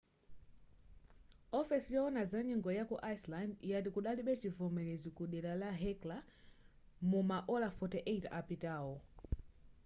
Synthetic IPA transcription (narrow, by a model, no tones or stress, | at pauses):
ɔfɛsijɔɔnazaɲiŋɡɔjakuʔajslandijat̬ikuɗaliɓɛt͡ʃivɔmɛlɛzikuɗɛlalaɦɛkla | mumaʔɔlafɔtɛʔɛitapitaːɔ